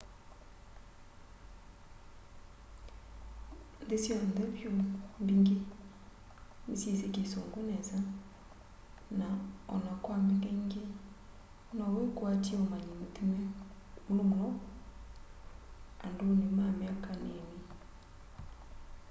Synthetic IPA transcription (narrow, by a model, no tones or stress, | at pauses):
ndesjɔndɛvjombiŋɡe | misisekesoŋɡonɛza | naɔ̰nakwamɛŋɡeŋɡe | nawekoatiomaɲimutime | ulomolɔ | andonemameakaneni